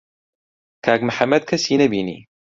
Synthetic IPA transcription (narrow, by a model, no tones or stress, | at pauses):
kaɡmħamːɐd̪̚kasiːnɐbiːnḭ